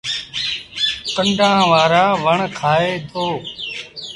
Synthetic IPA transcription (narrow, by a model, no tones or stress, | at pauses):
kəɳɖʱãːʋaːɾaːʋəɳkʰaːeːd̪ʰoː